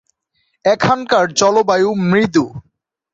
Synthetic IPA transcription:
ɛkʰankaɾt͡ɕɔlobajumɾid̪u

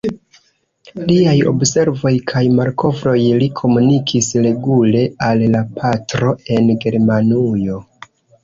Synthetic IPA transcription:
liajo̞̰bse̞ɾvo̞jkʰajmaɾko̞vɾo̞jlikʰo̞munikʰisɾe̞ɡule̞alːapʰatɾo̞e̞nɡe̞ɾmanujo̞

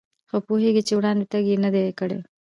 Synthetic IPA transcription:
xopoɦeɡit͡ʃewɽɑnd̪et̪aɡjenəd̪ekəɽḛ

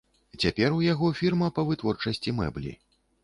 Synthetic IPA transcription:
t͡sʲapʲɛrujaɣɔfʲirmɐpɐvɨt̪vɔrt͡ʂɐsʲt͡sʲimɛ̰blʲḭ

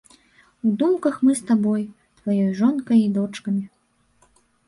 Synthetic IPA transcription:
ud̪umkɐxmɨst̪abɔj | t̪vajɔjʐɔnkɐjid̪ɔt͡ʂkɐmʲi

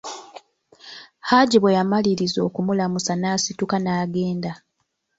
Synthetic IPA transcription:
haɟiβwejamaliɾizo̞ːkumulamusanaːsitukanaːɡe̞ːnda

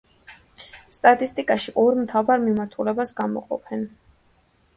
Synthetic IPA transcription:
st̪ʼat̪ʼist̪ʼikʼaʃiʔɔɾmt̪ʰavaɾmimaɾt̪ʰulɛbasɡamɔ̰qʼɔ̰pʰɛn

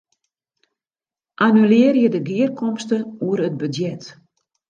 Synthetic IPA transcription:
ʔanylɪːərjədəɡiərkɔmstəuəɾət̚bədjɛt

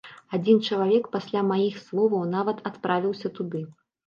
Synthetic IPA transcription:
ad͡zʲint͡ʂɐlˠavʲɛkpasʲlʲamajixslˠɔvɐwnavɐt̪at̪pɾavʲiwsʲɐt̪ud̪ɨ

